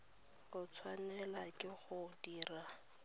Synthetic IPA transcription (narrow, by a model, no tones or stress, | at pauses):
kʊt͡sʰwanɛlakʼɪχʊdiːra